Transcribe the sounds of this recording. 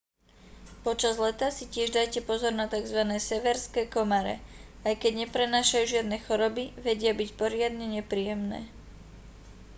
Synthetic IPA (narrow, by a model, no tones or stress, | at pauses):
pɔt͡ʃazlɛt̪asicɪɛʒd̪ajcɛpɔzɔɾnat̪aɡzʋanɛːsɛʋɛɾskɛːkɔmaɾɛ̰ajkɛɟɲɛpɾɛnaːʃajuːʒɪad̪nɛːxɔɾɔbiʋɛɟɪabicpɔɾɪad̪ɲɛɲɛpɾiːjɛmnɛ̰ː